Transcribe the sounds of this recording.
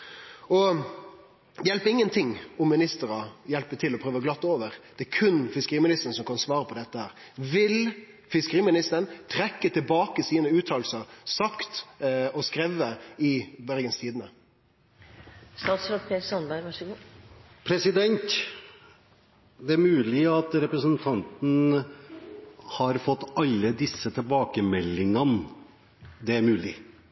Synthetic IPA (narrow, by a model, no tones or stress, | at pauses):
ɔ | jɛlpəɪŋːənt̪ʰɪŋːɔmːɪnɪst̪əɾɑjɛlpət̪ʰɪlːɔpʰɾøːʋəɡlɑt̪ːoːʋəɾd̪̥ɛækʰʉnfɪskəʁiːmɪnɪst̪əɾn̩sɔmkʰɑnsʋɑːʁəpʰɔd̪ɛt̪ːəhæːɾʋɪl | fɪskəʁiːmɪnɪst̪əɾənt̪ʰɾɛkːət̪ʰɪlbɑːkəsiːnəʉːt̪ʰɑːlsəʁsɑkt̪ɔskɾɛʋəɪbœɾɡənst̪ʰiːd̪ənə | st̪ɑːt̪sɾɑːt̪pʰeːsɔnbæɾɡʋɑʂəɡu | pʰɾɛsɪd̪ɛnt̪ | d̪ɛæɾmʉːlɪɑt̪ɾɛpɾəsənt̪ʰɑnt̪n̩ | hɑɾfɔt̪ːɑlːəd̪ɪsːət̪ʰɪlbɑːkəmɛlːɪŋən | d̪ɛæɾmʉːlɪ̰